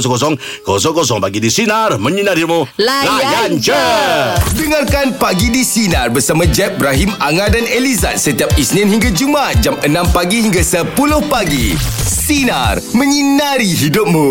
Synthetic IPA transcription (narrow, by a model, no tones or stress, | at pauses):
sɔkɔsɔŋ | kɔsɔŋkɔs̬ɔŋpaɡidisinarməɲinaɾimuljant͡ʃə | dəŋarkanpaɡidisinarbərsamãd͡ʒɛp̚bɾaɦimaŋadaneliza̰t̪̚sət̪iap̚isnɪ̃nɦiŋɡad͡ʒumat̪̚d͡ʒamənãmpaɡiɦiŋɡasəpulʊhpaɡisina̰rmə̃ɲinaɾiɦidʊp̚mũ